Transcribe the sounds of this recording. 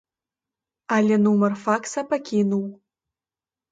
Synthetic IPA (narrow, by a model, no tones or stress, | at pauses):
alʲenumərfaksapakʲʰinuw